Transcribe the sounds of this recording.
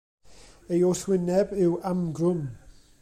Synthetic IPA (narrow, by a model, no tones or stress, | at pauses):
ejoswɪnɛbɪwamɡrʊm